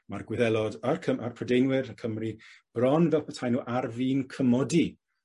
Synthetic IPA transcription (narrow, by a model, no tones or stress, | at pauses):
marɡwɪðɛlˠɔdarkʰəʔarpʰɔdejnwɪɾəkʰəmrib̥rɔnvɛlˠpʰətʰajnuːʔarviːnkʰəmɔdi